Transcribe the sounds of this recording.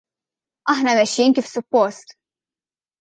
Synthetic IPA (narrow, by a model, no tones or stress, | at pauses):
ɐħnɐmɛʃːinkifsʊpːɔst̪